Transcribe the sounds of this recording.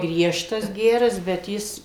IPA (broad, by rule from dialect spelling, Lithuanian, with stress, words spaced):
ˈɡrʲiɛʃtɐs ˈɡʲæːrɐs bʲɛt ˈjɪs